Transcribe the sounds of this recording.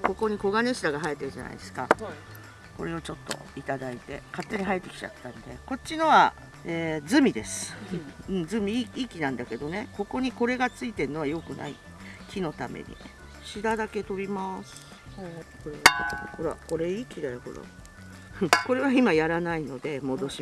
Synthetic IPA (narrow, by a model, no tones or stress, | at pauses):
ko̞ko̞ɲ̟iko̞ɡane̞ɕid̪aɡaɦaet̪ːeɯ̟ʑa̰na̰ḭd̪esɨ̥ka̰ | ko̞̰ɾe̞ot͡ɕo̞t̪ːo̰it̪ad̪ait̪e̞kat̪ːe̞ɲ̟iɦaet̪ːe̞kʲi̥t͡ɕa̰t̪ːãnd̪e̞ko̞tt͡ɕːino̞βa | eːd͡zɨmʲid̪e̞sɨ̥ɯ̟̃ɴd͡zɨmʲiikʲinãnd̪ake̞d̪o̞ne̞ko̞ko̞ɲ̟iko̞ɾe̞ɡat͡sɨit̪e̞ɾɯ̟no̞βajo̞kɯ̟nʔa̰ḭ | kʲino̞t̪amḛɲ̟ḭ | ɕid̪ad̪ake̞t̪o̞ɾʲimasɨ̥ | koehoɾa̰ko̞ɾe̞ikʲid̪aɾoho̞̰ɾa̰ | ko̞ɾe̞βaimajaɾanaino̞d̪e̞mo̞d̪o̞ɕi